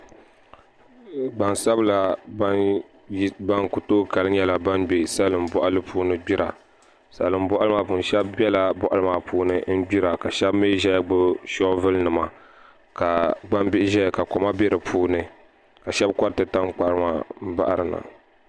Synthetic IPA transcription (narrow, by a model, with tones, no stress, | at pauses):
ba˨nsa˦bla˦ | ba˦nku˨toː˦ka˨lɨ˦ɲɛ˦la˨ba˦nɡ͡be˨sa˦lɨ˨m˨bɔ˦ʔa˦lɨ˦pʰuː˦nɨ˦ɡ͡bi˦ɾa˨ | sa̰˨lɨ˨m̩˦bɔ˦ʔa˦lɨ˦maː˨pu˨n˨˦ʃɛ˦bbɛ˦la˦bɔ˦˨ʔa˦lɨ˦maː˨pʰuː˦nɨ˦n̩˦ɡ͡bi˦ɾa˨ka˨ʃɛ˦bmi˦ʒɛ˦jɡ͡bʊ˦ʃɔ˦vɨ˦lnɨ˨ma˨ | ka˨ba˦mbi˦ʔʒɛ˦jka˨kɔ˨ma˦bɛ˦ɾɨ˨pʰuː˦nɨ˨ | ka˨ʃɛ˦bkɔ˦ɾtɨ˨ta˦mk͡pa˦ɾɨ˦ma̰˦m̩˦ba̰˦ʔa˦ɾɨ˨na̰˨